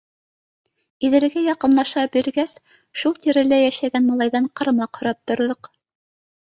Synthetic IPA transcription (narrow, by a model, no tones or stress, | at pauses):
iðɘ̆ɾɡæjɑqɤ̆nlˠɑʃɑbiɾɡæs | ʃulˠt̪iɾɘ̆læjæʃæɡænmɑlˠɑjðɑɴqɑ̆ɾmɑqhŏɾɑp̚t̪ŏɾðɤq